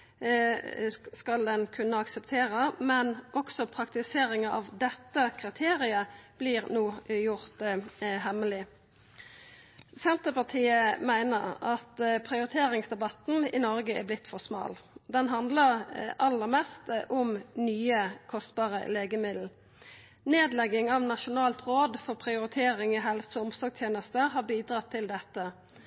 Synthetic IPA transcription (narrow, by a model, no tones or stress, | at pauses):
skɑld̪ɛnkʰʉnːəɑksɛpt̪ʰeːɾəmɛnʔɔksɔpʰʁɑkt̪ɪseːɾɪŋɑɑʋd̪ɛt̪ːəkʰʁɪt̪ʰeːɾɪəb̥lɪʁnoːjʊʁt̪ɦɛməlɪ | sɛnt̪əpɑʁt̪ʰiːəmæɪnəʁɑt̪pʰʁɪʊʁɪt̪ʰeːʁɪŋsd̪ɛbɑt̪n̩ɪnɔʁɡəɛ̰blɪt̪ːfɔsmɑ̰ːld̪ɛnɦɑnd̪ləʁʔɑlːəʁmɛst̪ʔʊmnyːəkʰɔst̪̚bɑːʁə̰leːɡəmɪd̪l̩ | neːd̪lɛɡɪŋɑʋnɑʃʊnɑːlt̪ʁoːd̪fɔʁpʰʁɪʊɾɪt̪ʰeːʁɪŋɔɦɛlsəʊmsɔɡt̪ʰjeːnəst̪əhɑːbiːd̪ʁɑt̪ʰːɪld̪ɛt̪ːə